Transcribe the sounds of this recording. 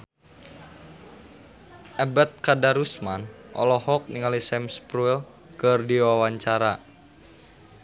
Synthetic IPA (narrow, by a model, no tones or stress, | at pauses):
ʔɛbat̪̚kadaɾusman | ʔɔ̰lɔhɔk̚niŋalisɛmspɾuil | kɨrdiwawaɲt͡ʃaɾa